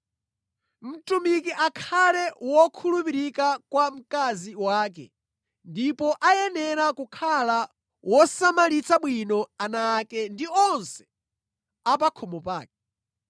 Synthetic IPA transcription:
m̩tumikiʔakʰalɛwɔkʰulupiɾikakwam̩kaziwaːk̬ɛ̰ | ndipɔʔajɛnɛɾakukʰala | wɔsamalit͡sʰaɓwinɔanakɛndiɔnsɛ̥ | apakʰɔmɔpa̰ːk̚ɛ

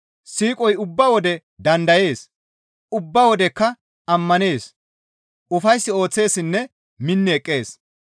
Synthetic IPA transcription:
siːkʼɔjʊbːɐwɔd̪ɛ | d̪ɐnd̪ɐje̞ːs | ʊbːɐwɔd̪ɛkːɐ | ɐmːɐne̞ːs | ʊfɐjsːɪo̞ːt͡sːe̞ːsɪnːɛ | mɪnːɪɛkʼːe̞ːs

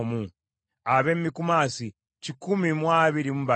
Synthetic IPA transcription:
mu | aβemmːikumaːsi | cikumimwaːβiɾimuβa

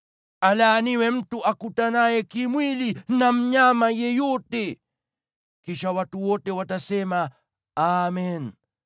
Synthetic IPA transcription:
alaːniwɛm̩tuʔakutanajɛkimwilinam̩ɲamajɛjɔtɛ | kiʃawatuwɔtɛwatasɛma | amɛn

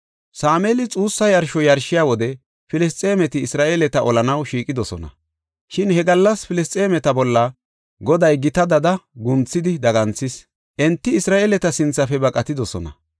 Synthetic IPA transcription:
saːmɛːlɪt͡sʼuːsːɐjɐɾʃɔjɐɾʃɪjaːwɔd̪ɛ | fɪlɛs̬t͡s̪ʼe̞ːmɛt̪ɪːsɾaːʔeːlɛt̪ɐʔɔlɐnɐwʃiːkʼɪd̪ɔsɔ̰nɐ̰ | ʃɪnhɛɡɐlːɐspɪlɛst͡sʼeːmɛt̪ɐbɔlːɐ | ɡɔd̪ɐjɡɪt̪ɐd̪ɐd̪ɐɡʊnt͡sːɪd̪ɪd̪ɐɡɐnt͡sːɪs | ʔɛnt̪ːɪːsɾaːʔeːlɛt̪ɐsɪnt͡sːɐfɛbɐkʼɐt̪ɪd̪ɔsɔ̰nɐ̰

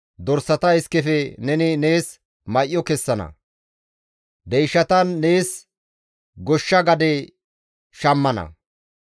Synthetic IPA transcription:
d̪ɔɾsːɐt̪ɐɪskːɛfɛnɛnɪneːs | mɐjʔjːɔkɛsːɐnɐ̰ | d̪ɛjʃɐt̪ɐnːe̞ːs | ɡɔʃːɐɡɐd̪ɛ | ʃɐmːɐnɐ̰

